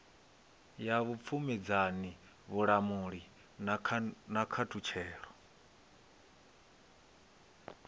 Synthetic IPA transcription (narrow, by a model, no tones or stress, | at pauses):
jaβup̪fʰumid͡zani | βuɺamuɺi | nʰnakʰatʰut͡ʃʰɛːɺɔ